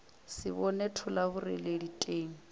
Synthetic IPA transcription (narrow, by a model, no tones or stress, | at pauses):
sɪβɔnetʰʊlabʊrɛ̰leditʼeːŋ̩